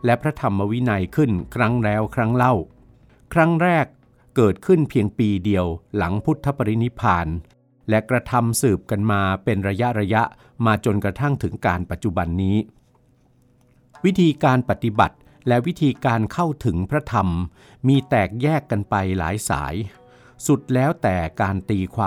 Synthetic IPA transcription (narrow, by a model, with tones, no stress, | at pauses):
lɛ˦˥pʰɾa˦˥t̪ʰa˧mːa˧wi˦˥na˧jkʰɯ˥˩nkʰɾa˦˥ŋɾɛː˦˥wkʰɾa˦˥ŋla˥˩w | kʰɾa˦˥ŋɾɛː˥˩kː | ɤː˨˩t̪̚kʰɯ˥˩npʰi˧əŋpiː˧di˧əwla˩˦ŋpʰu˦˥t̪ʰːa˦˥pːa˧ɾi˦˥ni˦˥pʰaː˧n | lɛ˦˥kɾa˧t̪ʰa˧msɯː˨˩p̚ka˧nmaː˧pe˧nɾa˧ja˦˥ʔɾa˧ja˦˥ʔ | maː˧t͡ɕo˧nkɾa˧t̪ʰa˥˩ŋt̪ʰɯ˩˦ŋkaː˧npa˨˩t̪̚t͡ɕu˨˩ba˧nːiː˦˥ | wi˦˥t̪ʰiː˧kaː˧npa˨˩t̪ːi˧ba̰˨˩t̪̚ | lɛ˦˥ʔwi˦˥t̪ʰiː˧kaː˧nkʰa˥˩wt̪ʰɯ˩˦ŋpʰɾa˦˥t̪ʰa˧m | miː˧t̪ɛː˨˩k̚jɛː˥˩kːa˧npa˧jla̰ː˩˦jsa̰ː˩˦j | su˨˩t̪̚lɛː˦˥wt̪ɛː˨˩kaː˧nt̪iː˧kʰwaː˧